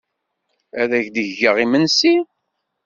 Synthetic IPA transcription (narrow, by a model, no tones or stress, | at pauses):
æðæçd̪əʝʝəʁimənsi